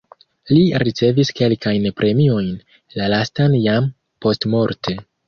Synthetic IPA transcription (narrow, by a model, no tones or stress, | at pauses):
liɾit͡se̞viske̞lkajnpɾʔe̞mio̞jn | lalastanjam | po̞stmo̞ɾtʰe̞